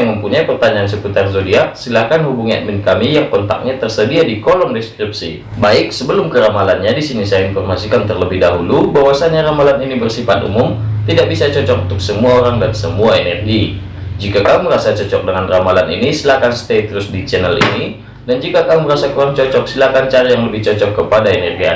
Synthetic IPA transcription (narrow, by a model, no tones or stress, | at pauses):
jaŋməmpuɲajpərt̪aɲaːnsəput̪arzodiasilakanhubuŋia̰t̪̚mɪnkamijaŋkɔnt̪a̰k̚ɲat̪ərsədiadikolɔŋdɛskɾip̚sḭ | baɪk̚səbəlʊmkəɾamalanɲadisinisajinfɔrmasikant̪ərləbɪhdaɦulubawasanɲaɾamalaninibərsifat̪̚ṵmʊmt̪idak̚bisat͡ʃɔt͡ʃɔk̚unt̪ʊksəmuaoɾaŋdansəmuaenɛrɡi | d͡ʒikakamuməɾasat͡ʃɔt͡ʃɔk̚dəŋanramalanḭnisilakanst̪et̪ɾʊsdit͡ʃɛnəlḭni | dand͡ʒikakamuməɾasakuɾaŋt͡ʃɔt͡ʃɔk̚silakant͡ʃaɾajaŋləbɪht͡ʃɔt͡ʃɔkːəpadaenɛrɡia̰